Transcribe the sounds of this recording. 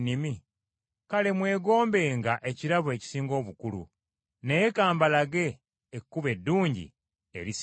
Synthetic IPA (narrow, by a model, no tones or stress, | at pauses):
nimi | kale̞mwe̞ːɡo̞ːmbe̞ːŋɡaʔe̞ciɾaβwe̞ci̥siːŋɡo̞ːβukulṵ | nejekaːmbalaɡe̞ː | kːuβe̞dːuːɲɟḭ | e̞̰ɾis